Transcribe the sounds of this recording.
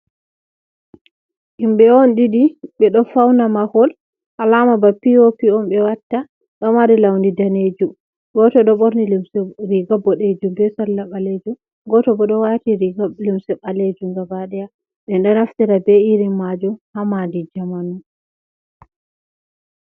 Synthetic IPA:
ʔimbɛɔnɗidiɓɛɗɔfawnamahɔl | ʔalamabapiopiɔmbɛwatːa | ɗɔmaɾilawndidaned͡ʒum | ɡɔtɔɗɔɓoɾniɾiɡabɔɗed͡ʒumbɛsalːaɓaled͡ʒu | ɡɔtɔbɔɗɔwatiɾiɡlimsɛɓaled͡ʒuŋɡabaɗɛja | ɓɛnɗɔnaftiɾabɛiɾimːad͡ʒuhamandid͡ʒamanun

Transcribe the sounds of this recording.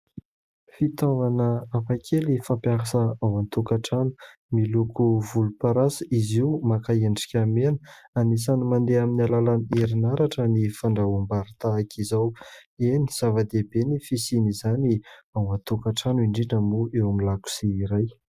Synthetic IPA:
fit̪ovanəapakʰelifampjaɦasəawant̪ukaʈ͡ʂanu̥ | milukʰuvulupaɾasəiziwmakaeɳɖ͡ʐi̥kʲamenə̥anis̬animand̪eaminalalaneɾinaɾaʈ͡ʂənifaɳɖ͡ʐaumbaɾit̪aːkʰizaweniz̥avad̪ebenifisinizaniawant̪ukaʈ͡ʂanuiɳɖ͡ʐinəmuʔewamilaku̥siːɾaj

